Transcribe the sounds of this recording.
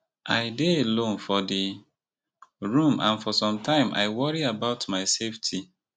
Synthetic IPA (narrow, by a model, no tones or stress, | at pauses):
ʔaɪdeelõnfɔdi | ɹũmʔãnfɔsɔ̃mtʰãɪ̃mʔa̰ɪwɔɹiabaʊtmaɪseftʰi